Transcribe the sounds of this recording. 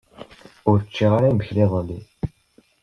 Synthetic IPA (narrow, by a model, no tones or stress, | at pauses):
ʊɾt͡ʃːiʁaɾajməçliðˤəlːi